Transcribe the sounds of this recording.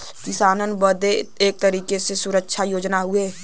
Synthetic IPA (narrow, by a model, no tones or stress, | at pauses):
kɪsaːnənbəd̪eeːk̚t̪əɾiːkesesʊɾəkʃʰajoːd͡ʒnaɦʊe